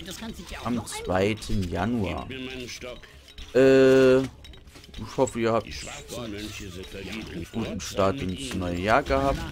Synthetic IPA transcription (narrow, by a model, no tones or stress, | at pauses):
ʔamt͡sv̥aɪtʰənjanua̰ːɐ | ʔɛː | ʔɪçhɔfəiːɐhaːp̚t | ɡ̥uːtn̩ʃtaːtɪnsnɔʏəjaːɡəhaːp̚t